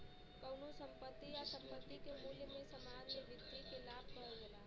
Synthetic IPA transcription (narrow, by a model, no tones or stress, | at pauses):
kəʊnosəmpət̪ːijasəmpət̪ːikemuːljəmẽsəmad͡ʒmeʋɪt̪ʋikelaːb̚ʱkəɛɡelaː